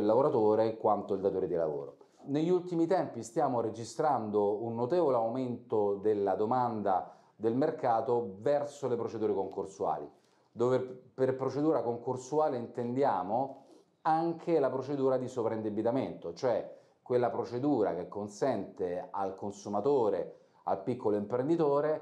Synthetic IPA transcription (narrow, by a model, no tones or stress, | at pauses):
ilːavoɾat̪oːɾekːwant̪oild̪at̪oːɾed̪ila̰vo̰ːɾo̰ | neʎːult̪imit̪ɛmpist̪jaːmoɾed͡ʒist̪ɾand̪ounːot̪eːvoleawment̪od̪elːad̪omand̪a | d̪elmerkaːt̪ovɛrsolepɾot͡ʃed̪uːɾekoŋkorsua̰ːlḭ | d̪oːveperpɾot͡ʃed̪uːɾakoŋkorsuaːleint̪end̪jaːmo | aŋkʰelapɾot͡ʃed̪uːɾad̪isovɾaind̪ebit̪ament̪ot͡ʃoɛ | kːwelːapɾot͡ʃed̪uːɾa̰kekːonsɛnt̪ea̰lkonsumat̪oːɾe | a̰lpikːoloimpɾend̪it̪oːɾe